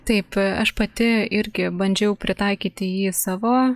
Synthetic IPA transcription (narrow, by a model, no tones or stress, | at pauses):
t̪ɐɪpɐʃpɐt̪ʲɪɪɾʲɡʲɪbɐnʲd͡ʒʲɛʊpʲɾʲɪt̪ɐɪkʲiːt̪ʲɪjiːsɑːʋoː